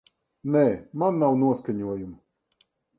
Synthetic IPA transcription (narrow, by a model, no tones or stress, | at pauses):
nɛmanːawnuɔskaɲʲuɔjum